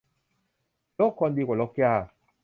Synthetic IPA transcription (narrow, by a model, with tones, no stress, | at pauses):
lɔ˦kːɔ˧nd̪i˧kʷa˨lɔ˧kja˦˧˨